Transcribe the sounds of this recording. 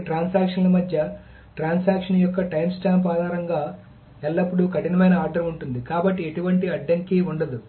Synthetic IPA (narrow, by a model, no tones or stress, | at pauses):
ʈɾaːnsaːkʂɐnlɐmɐd̪ʱjɐ | ʈɾaːnsaːkʂɐnjɔkːɐʈɐjmsʈaːmpaːd̪ʱaːɾɐŋɡaː | ɛɭːɐpːuɽukɐʈinɐmɐjnɐaːɾɖɐɾmuɳʈund̪ikaːbɐʈːieʈuʋɐɳʈiɐɖːɐŋkiuɳɖɐd̪u